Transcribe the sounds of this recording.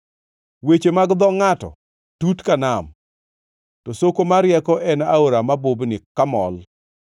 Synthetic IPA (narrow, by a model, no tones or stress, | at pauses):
wet͡ʃemaɡd̪ɔŋatɔ̰ | tutkanam | tɔsokomaɾjɛkɔʔɛnaoɾamabʊbnɪkamɔ̰l